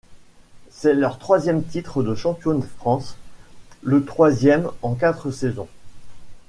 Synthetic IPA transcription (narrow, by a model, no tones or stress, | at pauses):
sɛlœʁt̪χwazjɛmt̪it̪χəd̪əʃɑ̃pjonəfχɑ̃s | lət̪χwazjɛmɑ̃k̬at̪χəsɛzɔ̰̃